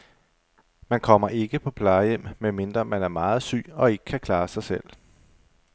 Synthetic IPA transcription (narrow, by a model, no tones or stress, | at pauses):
mænkʰɒ̽m̰ɐʔe̝ɡ̥əpʰɒ̽pʰlɑ̈ɪjem̰menme̝nd̥ʁɐmænæɐmɑ̈ːð̞̩ˠsy̰ːɒ̽e̝ɡ̥ə̥kʰækʰlɑ̈ːsɑ̈ɪsel̰